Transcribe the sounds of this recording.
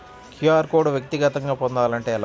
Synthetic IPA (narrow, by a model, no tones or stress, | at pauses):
kʰjuaːɾkoːɖuʋjɐk̚t̪iɡɐt̪ɐŋɡaːpɔnd̪aːlɐɳʈe̞ːl